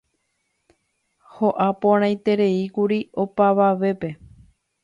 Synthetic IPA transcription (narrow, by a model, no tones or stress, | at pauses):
ho̞ʔapõɾ̃ãj̃t̪e̞ɾe̞ikuɾio̞paʋaʋe̞pe̞